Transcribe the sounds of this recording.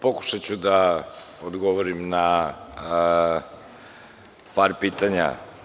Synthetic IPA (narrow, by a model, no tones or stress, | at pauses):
poku̥ʃat͡ɕud̪a | od̪ɡoʋoɾimna | paɾpiːt̪aɲa̰